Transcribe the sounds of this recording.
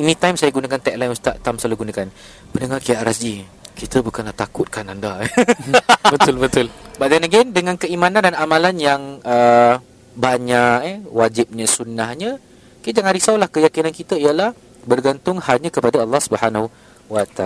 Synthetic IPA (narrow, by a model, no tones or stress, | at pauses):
inĩt̪ajmsajaɡunakant̪ɛk̚lajmust̪aʔt̪amsaluɡunakan | pəndəŋarkijaʔɾasd͡ʒi | kit̪əbukanlaht̪akʊt̪̚kananda | bət̪ʊlbət̪ʊlbaʔd̪anaɡɛndəŋãnkəimãnandanamãlanjaŋə | baɲaʔɛwad͡ʒɪp̚ɲəsunahɲə̃ | kit̪d͡ʒaŋãnɾisawlahkəjakinankit̪əijəlah | bərɡant̪ʊŋhaɲə̃kəpadaəlːɑhsubəhanahu | wat̪a